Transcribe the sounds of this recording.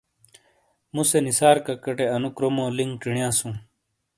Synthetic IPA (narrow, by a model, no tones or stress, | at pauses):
mũsenisaːɾkɐkɐʈeɐnukɾomõːliŋʈiɳjãːsũː